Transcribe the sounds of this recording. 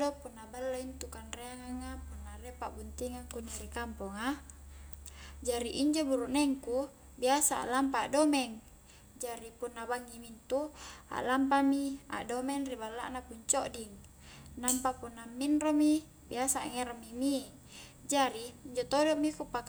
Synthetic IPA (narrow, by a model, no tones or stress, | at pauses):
dɔpunːabalːaint̪ukanreaŋaŋapunːarepaʔbunt̪iŋakunirikampɔŋa | d͡ʒaɾiʔiɲd͡ʒobuɾuʔnɛŋku | biasaa̰ʔlampaːʔdomɛŋ | d͡ʒaɾipunːabaŋːimint̪ua̰ʔlampamia̰ʔdomɛŋribalːa̰ʔnapuɲt͡ʃɔʔdiŋ | nampapunːamːinromi | biasaŋɛɾomimi | d͡ʒaɾiːɲd͡ʒot̪odɔmikupak